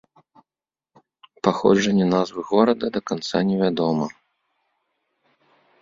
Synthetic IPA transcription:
paxɔ̰d͡ʐɐnʲːɛnazvɨɣɔɾɐd̪ɐd̪ɐkant̪sanʲɛvʲad̪ɔmɐ

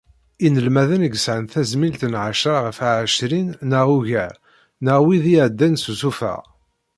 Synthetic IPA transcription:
inəlmæðənəɡəsʕənθæzmilt̪nʕaʃɾaʁəfaʕʃɾinːəʁuʝæɾ | nəʁwiðiæd̪ːænsusufæ̰ʁ

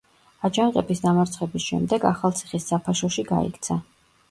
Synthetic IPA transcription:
ad͡ʒanqʼɛbisd̪amaɾt̪sʰχɛbisʃɛ̰md̪ɛɡaχalˠt̪sʰiχisːapʰaʃɔʃiɡa̰ḭkʰt̪sʰa

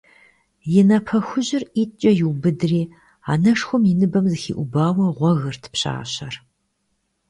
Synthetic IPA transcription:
jɪnɐpʰɐxʷʊʑɪriːt͡ʃʼɐjɪwbɨdɨriː | a̰ːnɐʂxʷʊmjɪnɨbɐmzɨxḭːʔʷʊbaːwɐʁʷɔɣɨrtʰɨ̥pɕa̰ːɕɐr

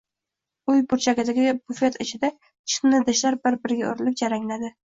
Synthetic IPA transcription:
ʊjbʊɾt͡ʃʰaɡʲad̪aɡʲɪɪbʊfet̪ɪt͡ʃʰɪd̪a | t͡ʃʰɪ̥nnɪd̪ɪʃlaɾbɪɾbɪɾɪɡʲao̰ɾɪlɪp̚d͡ʒaɾaŋlad̪ɪ

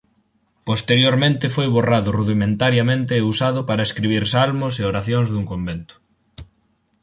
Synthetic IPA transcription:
post̪eɾjoɾmẽnt̪ɪfojβoraðʊruðimẽnt̪aɾjamẽnt̪ɪːusaðʊpaɾɐeskɾiβ̞iɾsalmʊseoɾaθjoŋzðuŋkombent̪ʊ̥

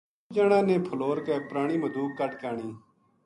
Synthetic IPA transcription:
d͡ʒaːɳãːnẽːpʰəloːɾkeːpɾaːɳ̃iːməd̪ʱuːkːəʈkaːɳiː

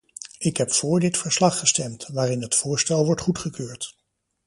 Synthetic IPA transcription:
ɪkɦɛpfʊːɹdɪtfəɹslɑχːəstɛmtʋaːɾɪnɦətfʊːɹstɛlˠʋɔɹtχutχəkøːɹt

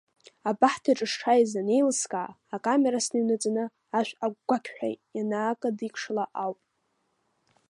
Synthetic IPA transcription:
abaħtʰaʈ͡ʂʼɨʂʈ͡ʂʰajzanejlskʼaʕːkʼameɾasnɨnɨt͡sʼnɨ | aʃʷᶣaɡɡʷakʲʰʼħʷᶣa̰jtjanaːkʼadikʷʰʂlaʔawpʼ

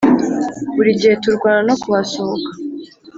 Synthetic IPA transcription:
βuɾiɟihe̞tuɾɡwaːɾano̞kuβasohoka

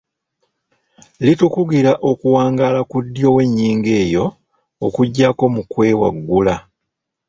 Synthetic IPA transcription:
litukuɡiɾaʔo̞kuwaːŋɡaːlakudːjo̞ːwe̞ɲːiːŋɡe̞ːjo̞ː | kuɟːako̞mukwe̞ːwa̰ɡːula

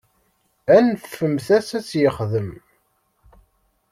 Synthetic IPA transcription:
ænθfəmθæsæt͡sːjəχðəm

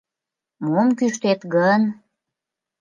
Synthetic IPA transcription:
momkyʃt̪et̪ɡən

